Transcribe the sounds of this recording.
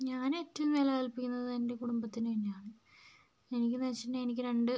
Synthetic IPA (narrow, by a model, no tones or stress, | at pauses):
ɲaːne̞ːtːɐʋumːelekɐlpikʲːunːɐðɨt̪ɐnde̞kuɽumbɐt̪ːinpɐnːejaːɳɨ | e̞nikʲːɨnɐt͡ɕːinːeenikʲːɨɾe̞ɳɖɨ